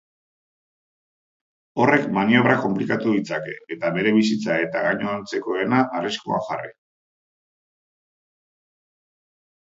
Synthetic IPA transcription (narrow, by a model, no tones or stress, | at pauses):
o̞re̞kmanio̞β̞ɾako̞mplikat̪uðit͡sake̞ːt̪aβe̞ɾe̞βisit͡sae̞t̪aɣaɲoant͡se̞ko̞e̞naʔːriskoa̰ʝarḭ